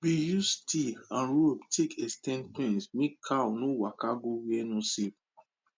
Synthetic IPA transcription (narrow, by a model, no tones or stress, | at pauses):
bijustʰiãnɹobtʰekɛstɛ̃nplẽnsmekʰawnowakaɡowɛnɔ̃sep̚